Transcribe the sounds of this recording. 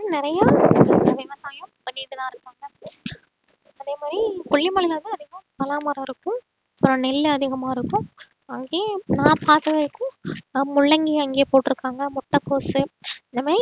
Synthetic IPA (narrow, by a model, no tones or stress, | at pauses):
nɪɾɐjaʋɪʋɐsaːjɐmpɐnːiːðɯnaːɪɾɯkːaːŋɡɐ | ɐðeːmaːd̪ɾikʊɭːimɐɭɪjaːðɯɐðɪɣɐpɐlaːmɐɾɐɪɾɯkːʊ̃ | ɐpːɯɾɐ̃nɛlːɯɐðɪɣɐmaːɪɾɯkːʊ̃ | ɐŋɡeːnãːpaːt̪ɐʋɐɾkːʊ̃mʊɭːɐŋɡiɐŋɡeːpoːʈːɪɾɯkːaːŋɡɐmʊʈːɐkːoːsɯnd̪ɐmaːɾi